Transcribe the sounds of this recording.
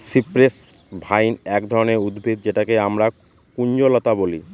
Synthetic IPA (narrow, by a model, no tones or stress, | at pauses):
sipɾes | bʱajnɛkd̪ʱɔɾoneɾud̪bʱid̪̚d͡ʑeʈakeamɾa | kuɲd͡ʑolot̪aboli